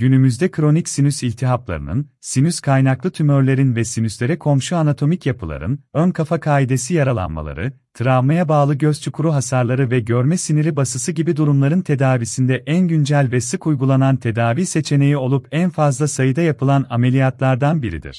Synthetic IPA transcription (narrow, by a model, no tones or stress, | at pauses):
ɟ̥ynymyzd̪ɛkʰɾo̞nicsinysilʲt̪ʰiɦaplˠa̰ɾɯ̰nɯ̰n | sinyskʰajnaklˠɯt̪ʰymøɾlʲe̞ɾinvɛsinyslʲe̞ɾɛkʰo̞mʃuanat̪ʰo̞micjapʰɯlˠa̰ɾɯ̰nønkʰafakʰaːid̪e̞sijaɾalˠa̰nma̰lˠa̰ɾɯ̰ | t̪ʰɯɾavmajabaːlˠɯɟøzt͡ʃʰukʰuɾuɦasaɾlˠaɾɯvɛɟøɾmɛsiniɾibasɯsɯɟibid̪uɾumlˠaɾɯnt̪ʰe̞d̪aːvisind̪ɛʔænɟynd͡ʒælʲvɛsɯkujɡulˠanant̪ʰe̞d̪aːvise̞t͡ʃʰe̞ne̞jio̞lˠupænfazlˠasajɯd̪ajapʰɯlˠaname̞lʲijat̪lˠaɾd̪anbiɾḭd̪ḭɾ̝̥